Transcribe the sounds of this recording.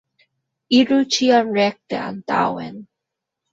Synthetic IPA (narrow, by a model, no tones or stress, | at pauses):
iɹut͡ʃiaɹɛk̚t̪ḛa̰nt̪a̰wɛ̰n